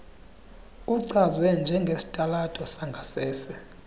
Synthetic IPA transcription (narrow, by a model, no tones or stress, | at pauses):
uǀʰazwɛnd͡ʒʱɛŋɡʱesi̥tʼalatʼɔsaŋɡʱasɛːsɛ